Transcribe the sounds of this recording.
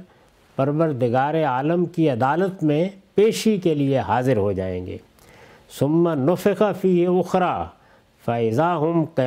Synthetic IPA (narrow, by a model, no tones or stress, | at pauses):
pɐɾʋəɾd̪ɪɡaːɾeaːləmkiɐd̪aːlət̪mẽpeːʃikelieɦaːzɪɾɦod͡ʒaːḛ̃ːŋɡḛː | sʊmːanʊfɪqafiːɦʊxɾaː | fɐɪzaːɦʊmqɐ